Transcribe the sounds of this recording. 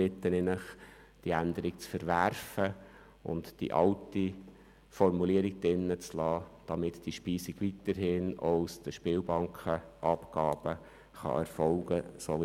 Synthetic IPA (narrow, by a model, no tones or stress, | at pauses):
ɪt̪ːənɪnəχ | d̥iænd̪əɾikt͡sfəɾʋæɾfə | ʊ̰ntd̥ḭʔɑ̰ʊti | fɔɾmuliəɾiɡ̥̚d̥ɪnːət͡slɑːd̥ɑmɪtd̥iʃpiːsiɡ̥ʋitəɾhɪnɔʊsd̥əʃpɪːlbɑŋkχəʔɑpɡ̥ɑ̰ːb̥ə | χɑ̰ɛ̰ɾfɔlɡ̥əsɔl